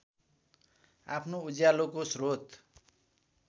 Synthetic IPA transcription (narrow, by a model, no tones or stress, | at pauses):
a̰pʰnoud͡zjalokosrot̪